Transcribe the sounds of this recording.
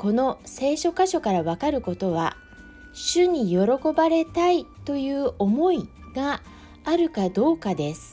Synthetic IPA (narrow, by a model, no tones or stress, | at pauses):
ko̞no̞se̞ːɕo̞kaɕo̞kaɾaβ̞akaɾɯ̟ko̞t̪o̞β̞a̰ | ɕɨɲ̟ijo̞ɾo̞ko̞baɾe̞t̪ait̪o̞jɯ̟ːʔo̞mo̞iɡaː | ɾɯ̟kad̪o̞ːkad̪e̞sɨ̥